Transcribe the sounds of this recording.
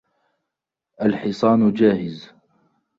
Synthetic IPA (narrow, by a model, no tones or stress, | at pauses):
ʔalħɪsˤɑːnd͡ʒaːhɪz